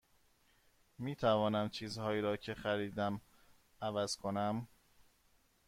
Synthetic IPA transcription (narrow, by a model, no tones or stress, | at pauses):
miːt̪ʰævɒːnæmt͡ʃʰiːzhɒːiːɾɒːcʰe̞xæɾiːd̪æm | ævæz̥kʰonæm